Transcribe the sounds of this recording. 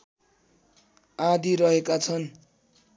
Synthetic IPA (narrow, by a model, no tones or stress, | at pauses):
ad̪ʱiɾʌɦekat͡sʰʌn